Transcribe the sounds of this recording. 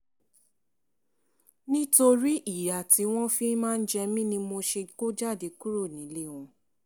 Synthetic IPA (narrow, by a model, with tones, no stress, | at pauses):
nĩ˦to˧ɾi˦ʔi˦˨ɾa˨ti˨˦w̃ɔ̃˦fi˦mãː˦˧n̩˦d͡ʒɛ˧mĩ˦nĩ˧mo˧ʃe˧ko˦d͡ʒa˦˨de˨˧˦ku˦ɾo˦˨nĩ˨˦le˦˨wɔ̃˧